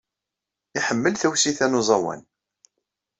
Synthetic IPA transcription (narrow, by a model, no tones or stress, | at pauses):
ɪħəmːəlθæwsiθænuzˤɑwæ̰n